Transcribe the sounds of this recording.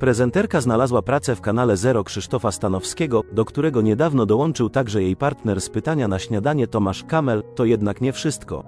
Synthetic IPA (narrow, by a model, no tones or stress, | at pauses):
pɾɛzɛnt̪ɛɾkaznalazwapɾat̪sɛfkanalɛzɛɾɔkʂɘʂt̪ɔfast̪anɔfskʲɛɡɔd̪ɔkt̪uɾɛɡɔɲɛd̪avnɔd̪ɔwɔnt͡ʂɘwt̪aɡʐɛjejpaɾt̪nɛɾspɘt̪aɲanaɕɲad̪aɲɛt̪ɔmaʂkamɛlt̪ɔjɛd̪nakɲɛfʂɘst̪kɔ̰